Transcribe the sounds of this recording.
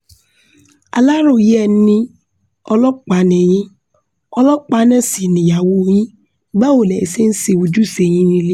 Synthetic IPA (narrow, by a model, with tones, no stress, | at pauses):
a̰˧la˦ɾo˦˨ji˦ɛ˦˨˦nĩ˦ | ɔ˧lɔ˦k͡pa˨˦nɛ̃˨j̃ĩ˦ | ɔ˧lɔ˦k͡pa˧˦nɛ̃˦˨si˨nĩ˨ja˨wo˧˦j̃ĩ˦ | ba˦o˦˨lɛ˨i˨se˦n̩˦se˧wo˧d͡ʒu˦˨se˧˨j̃ĩ˦nĩ˧˦le˦